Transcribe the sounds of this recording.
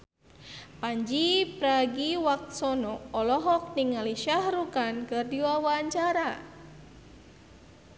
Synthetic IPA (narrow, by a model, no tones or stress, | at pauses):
paɲd͡ʒipɾaɡiwak̚t̪̚sɔnɔɔlɔɦɔk̚niŋaliʃahrukankɨrdiwawaɲt͡ʃaɾa